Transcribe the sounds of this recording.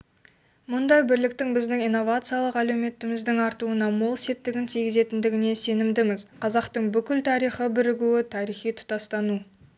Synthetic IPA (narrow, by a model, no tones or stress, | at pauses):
mʊnd̪ɑjbɪɾlɪk̚t̪ɪŋbɪzd̪ɪŋijnːo̞vat̪sɨijalˠəqælewme̞t̪ɪmɪzd̪ɪŋɑɾt̪uənɑmolˠse̞p̚t̪ɪɡʲɪnt̪ʰijɡʲɪze̞t̪ɪnd̪ɪɡʲɪne̞se̞nɪmd̪ɪmɪzqʰɑzɑqt̪əɴbʏkʲɪlt̪ʰɑɾijχəbɪɾɪɡʲuɪt̪ʰɑɾijχijt̪ʰʊ̥t̪ɑst̪ɑnu